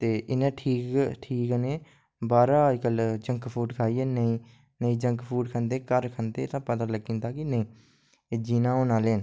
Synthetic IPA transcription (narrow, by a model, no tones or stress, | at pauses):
t̪eːʔɪnẽːʈʰiːkʈʰiːkneː | baːɾaːd͡ʒkəld͡ʒəŋkpʰuːʈkʰaːiːɛːnəĩː | nəĩːd͡ʒə̃ŋkpʰuːʈkʰənd̪eːkəɾkʰənd̪eːt̪ãːpət̪aːləɡːĩːnd̪aːkɪnəĩː | d͡ʒiːnãːoːnaːleːn